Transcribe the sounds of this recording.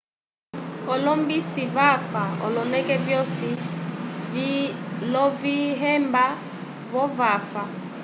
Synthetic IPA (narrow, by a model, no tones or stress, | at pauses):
ɔlɔmbisivafaɔ̰lɔnɛkɛvjɔsi | lɔviɦɛmba | vɔvafa